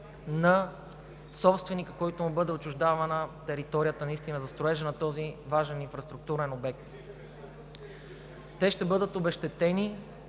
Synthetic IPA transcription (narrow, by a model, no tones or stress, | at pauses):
nɐ | sɔpst̪vɛnikə̥kɔit̪omubɤd̪ɛot͡ʃʊʒd̪avɐnət̪ɛɾit̪ɔɾijət̪ənɐist̪inəzɐst̪ɾoɛʒɛnɐt̪ɔzivaʒɛninfɾɐst̪ɾʊk̚t̪uɾɛnobɛk̚t̪ | t̪ɛʃt̪ɛbɤd̪ət̪obɛʃt̪ɛt̪ɛni